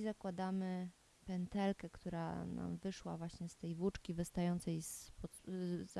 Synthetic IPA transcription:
zakwad̪amɘ | pɛnt̪ɛlkɛkt̪uɾa̰na̰mvɘʂwa̰vwaɕɲɛst̪ɛjvwut͡ʂkʲivɘst̪ajɔnt̪sɛjspɔ

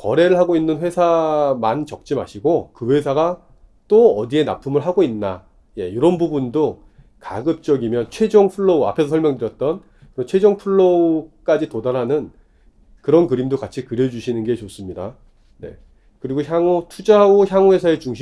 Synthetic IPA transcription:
kʌ̰ɾe̞ɾɯɭɦaɡoinːɯnɸwe̞sʰamant͡ɕʌk̚t͡ɕ͈ima̰ɕʰiɡokɯwe̞sʰaɡa | t͈oʌdie̞na̰pʰumɯɭɦaɡoinːa | je̞̰joɾʌnbubundo | ka̰ɡɯp̚t͡ɕ͈ʌɡimjʌnt͡ɕʰwe̞d͡ʑoŋpʰuɭːoua̰pʰe̞sʰʌsʰʌɭmjʌŋdɯɾjʌt̚t͈ʌn | kɯɾʌnt͡ɕʰwe̞d͡ʑʌŋpʰuɭːok͈ad͡ʑitodaɾɦanɯn | kɯɾʌnkɯɾimdokat͡ɕʰikɯɾjʌd͡ʑuɕʰinɯnɡe̞t͡ɕos͈ɯmɲida̰ | ne̞̰ | kɯɾiɡoçjaŋotʰud͡ʑaoçjaŋwe̞sʰae̞t͡ɕuŋɕʰi

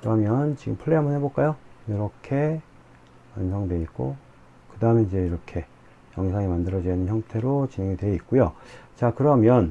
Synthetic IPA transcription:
kɯɾʌmjʌnt͡ɕiɡɯmpʰuɭːeɦamʌnɦeboɭk͈ajojiɾʌkʰe̞ | wansʰʌŋdwe̞ik̚k͈o̰ | kɯdaɯmenid͡ʑe̞iɾʌkʰe̞ | jʌŋisʰaŋemandɯɾʌd͡ʑiinɯnçjʌŋtʰe̞ɾot͡ɕine̞ŋidwe̞ik͈ojot͡ɕakɯɾʌmjʌn

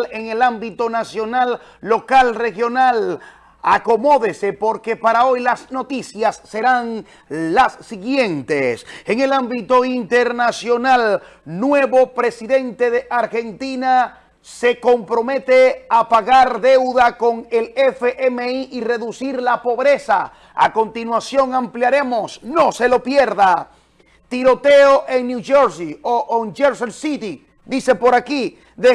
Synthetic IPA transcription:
le̞ŋelambit̪o̞nasjo̞nalː | o̞kalre̞xjo̞nal | ako̞mo̞ðe̞se̞po̞ɾke̞paɾao̞jlazno̞t̪isjasːe̞ɾan | lasːiɣje̞nt̪eseŋelambit̪o̞int̪e̞ɾnasjo̞nal | nwe̞βo̞pɾe̞siðe̞nt̪e̞ðeʔaɾxe̞nt̪ina | se̞ko̞mpɾo̞me̞t̪e̞apaɣaɾðe̞wðako̞ŋe̞lefeʔemeiʔire̞ðusiɾlapo̞βɾe̞sa̰ | a̰ko̞nt̪inwasjo̞ŋampljaɾe̞mo̞sno̞se̞lo̞pje̞ɾða | t̪iɾo̞t̪e̞oʔeŋnjuʝoɾsioʔond͡ʒeɾselsit̪i | d̪ise̞po̞ɾaki | ðe

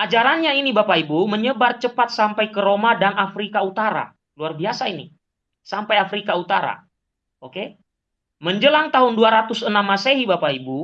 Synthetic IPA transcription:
ʔad͡ʒaɾanɲainibapaibuməɲəbart͡ʃəpat̪̚sampajkəɾomadanafɾikaut̪aɾa̰ | luarbiasainḭ | sampajafɾikaut̪aɾa̰ | oke | məɲd͡ʒəlaŋt̪aɦʊnduaɾat̪ʊsənamːaseɦibapaibu

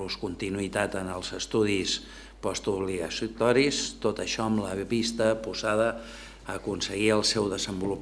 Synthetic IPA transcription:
luskunt̪inuit̪at̪ənəlˠzəst̪uðis | pɔst̪uβliɣəst̪ɔɾist̪ot̪əʃɔəmləβist̪əpuzaðə | əkunsəɣiəlˠsɛwðəzəmbulup

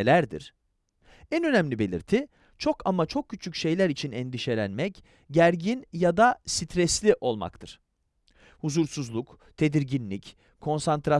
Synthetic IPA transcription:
lʲæɾd̪ḭɾ̥ | ɛnø̞næmlʲibe̞lʲḭɾt̪ʰi | t͡ʃʰo̞kʰamat͡ʃʰo̞k̚cʰːyt͡ʃʰycʃe̞jlʲæɾit͡ʃʰinɛnd̪iʃe̞lʲænmɛc | ɟæɾɟinjad̪asit̪ʰɾɛslʲiʔo̞lˠma̰kt̪ʰɯɾ̥ | huzuɾsuzlˠuk | t̪ʰe̞d̪iɾɟinlʲic | kʰːo̞nsant̪ɾa

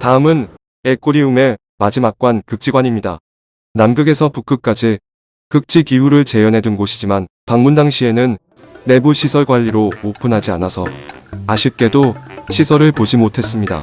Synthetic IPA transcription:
taɯmɯn | e̞k͈uɾiume̞ | mad͡ʑimak̚k͈wankɯk̚t͡ɕ͈iɡwaɲimɲida̰ | namɡɯɡe̞sʰʌpuk͈ɯk̚k͈ad͡ʑi | kɯk̚t͡ɕ͈ʰikiuɾɯɭt͡ɕe̞jʌnɦe̞dɯnɡoɕʰid͡ʑiman | paŋmundaŋɕʰie̞nɯnː | e̞buɕʰisʰʌɭɡwaʎːiɾomopʰɯnɦad͡ʑianasʰʌaɕʰip̚k͈e̞doɕʰisʰʌɾɯɭpod͡ʑimotʰe̞s͈ɯmɲida̰

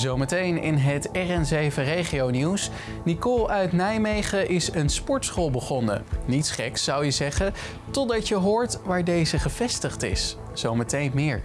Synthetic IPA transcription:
zowmətejnɪ̰nɦətɛrɛnzejvərejχiowniws | nikɔlˠœɥtnɛjmejχəʔɪsənspɔɹtsχoːlˠbəχɔnə̰nitsχɛksːɑwjəzɛχə | tɔdɑtjəɦʊːɹtʋaːɹdejzəχəv̥ɛstəχtɪ̰s | z̥owmətejnmɪːɹ

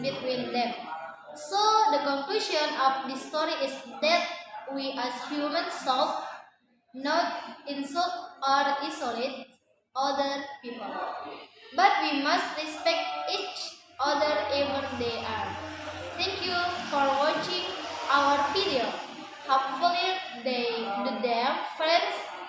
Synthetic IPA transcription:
bit̪wĩnd̪ɛ̃m | sod̪əkɔ̃ŋkluːʃɔ̃nɔfd̪istɔɾiʔɪsd̪ɛt̚wiʔæzhjumə̃nsɛlf | nɔʈ̚ɪ̃nsɔaɾisɔlet̚ | ɔd̪əɾpiːpəl | bʌʈʋimʌsʈɾispek̚ʈiːt͡ʃ | ʌd̪əɾebə̃ɾd̪eʔaɾt̪ʰɛ̃ŋkjufɔɾʋɔt͡ʃɪ̃ŋɡaʊəɾpiɾiəɖ | hopfuli | d̪eɖud̪eɾfɾẽnɖs

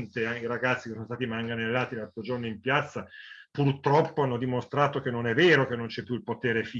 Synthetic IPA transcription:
nt̪eaiɾaɡat̪sːikesonost̪aːt̪imaŋɡanelːaːt̪ilat̪ːod͡ʒornoimpjat̪sːapurt̪ɾɔpːoanːod̪imost̪ɾaːt̪ok̟enːonɛvːɛːɾokenːont͡ʃɛpːjuilpot̪ɛːɾefi

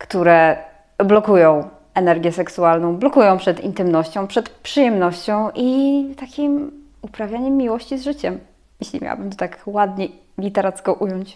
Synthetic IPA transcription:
kt̪uɾɛ | blɔkujɔ̃w̃ | ɛnɛɾɡʲjɛsɛksualnɔ̃w̃blɔkujɔ̃w̃pʂɛt̪ḭnt̪ɘmnɔɕt͡ɕɔ̃w̃pʂɛt̪pʂɨjɛmnɔɕt͡ɕɔ̃w̃ʔit̪akʲim | upɾavʲjaɲɛmːʲiwɔɕt͡ɕizʐɘt͡ɕɛm | jeɕlʲimʲa̰wa̰bɘmt̪ɔt̪akwad̪ɲɛ | lʲit̪ɛɾat̪skɔʔujɔɲt͡ɕ

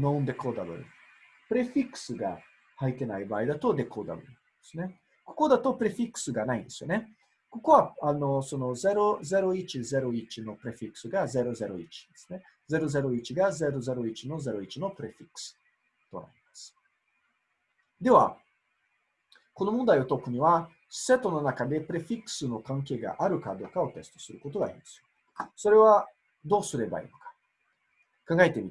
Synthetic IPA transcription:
nound̪ekod̪alo̰ɾḭ | pɾɛfiksɨɡa̰ | hajt̪enajbajd̪at̪od̪ekʰod̪a̰lo̰ɾi | snɛ | ko̥kod̪at̪opɾefiksɨɡanaḭnsonɛ | kokoaalnosonozɛɾozɛɾoit͡ʃizɛɾoit͡ʃinopɾɛfiksɨɡazɛɾozɛɾoit͡ʃnsnɛ | zɛɾozɛɾoit͡ʃiɡazɛɾozɛɾoit͡ʃinozɛɾoit͡ʃinopɾɛfiks | t̪o̞̰na̰ɾʲimasɨ̥ | d̪e̞βa̰ | ko̞no̞mond̪aio̞t̪o̞kɯ̟ɲ̟iβa | ɕi̥se̞t̪o̞no̞nakad̪e̞pɯ̟ɾe̞ɸʲikɯ̥sɨno̞kãŋk̬e̞ːɡa̰ʔaɾɯ̟kad̪o̞ːkao̞t̪e̞sɨ̥t̪o̞̥sɨɾɯ̟ko̞t̪o̞ɡa̰iɾḭ̃nd̪esɨjo | so̞ɾe̞βa | d̪o̞ːsɨɾe̞ba̰ḭno̞̥kḁ | kãŋɡaet̪emʲi

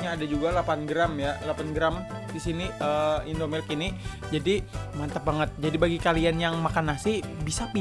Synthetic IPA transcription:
ɲaːdad͡ʒuɡalapanɡɾamjalapanɡɾam | disiniʔəindomɛlkini | d͡ʒadimant̪abaŋət̪̚d͡ʒadibaɡikalianjaŋmakanasɪbisapi

